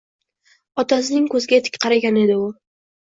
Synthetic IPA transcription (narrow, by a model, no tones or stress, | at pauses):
ɒt̪ʰas̬ɪnɪŋkɵzɡʲat̪ʰɪ̥kʲqɑɾaɡʲane̞d̪ɪʊ